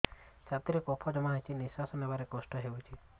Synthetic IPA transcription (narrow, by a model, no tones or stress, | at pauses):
sat̪iɾekɔpʰɔd͡ʒɔmaɦajt͡ʃʰinisasɔnebaɾekɔsʈɔɦeut͡ʃʰi